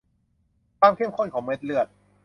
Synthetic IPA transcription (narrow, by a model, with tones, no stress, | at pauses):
kʰwaː˧mkʰe˥˩˨mkʰɔ˥˩nkʰɔː˩˦ŋme˦˥t̪̚lɯ˥˩ət̪̚